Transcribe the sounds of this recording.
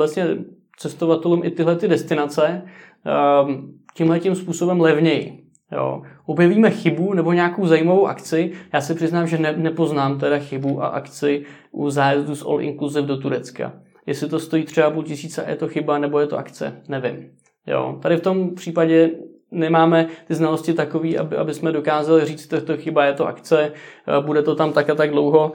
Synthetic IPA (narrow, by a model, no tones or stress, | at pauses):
ɛsɲɛ | t͡sɛst̪o̞vat̪ɛlumʔɪt̪ɪɦlɛt̪ɪdɛst̪ɪnat͡sɛ | cɪmɦlɛcɪmspuːso̞bɛmlɛvɲɛjɪ | jo̰ːʔo̞bjɛviːmɛxɪbunɛbo̞ɲɛaːkowzajiːmavo̞wʔa̰kt͡sɪjaːsɛpr̥ɪznaːmʒɛnɛnɛpo̞znaːmt̪̬ɛdaxɪbuʔa̰ʔa̰kt͡sɪ | ʔuzaːjɛzdusʔo̰lʔɪ̰ŋkluzɪfdo̞t̪uɾɛt͡ska̰ | jɛslɪt̪o̞st̪o̞jiːt̪r̝̥ɛapulcɪsiːt͡sɛa̰jɛ̰t̪o̞xɪbanɛbo̞jɛt̪o̞ʔa̰kt͡sɛ̰nɛvɪm | jo̰ːt̪adɪft̪o̞mpr̥iːpaɟɛ | nɛmaːmɛt̪ɪznalo̞scɪt̪ako̞viːʔa̰bɪʔa̰bɪsmɛdo̞kaːzalɪriːt͡st̪kt̪oxɪbajɛt̪o̞ʔa̰kt͡sɛbudɛt̪ot̪amt̪akat̪aɡdlo̞wɦo̞